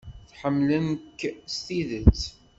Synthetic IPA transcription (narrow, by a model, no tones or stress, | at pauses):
θħəmːləmkst̪iðət͡sː